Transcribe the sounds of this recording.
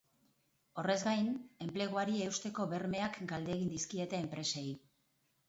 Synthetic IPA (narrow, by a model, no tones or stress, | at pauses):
o̞re̞zɡajne̞mple̞ɣ̞oaɾieust̪e̞ko̞βe̞ɾme̞akɡald̪e̞ɣind̪iskie̞t̪e̞ːmpɾe̞sej